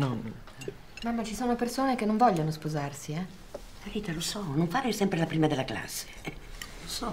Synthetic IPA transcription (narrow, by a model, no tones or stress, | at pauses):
nɔn | ɛ | mamːat͡ʃisoːnopersoːnek̟enːoɱvɔʎːonospozarsiɛ | laviːt̪alosɔnoɱfaːɾesɛmpɾelapɾiːmad̪elːakla̰sːe̥losɔ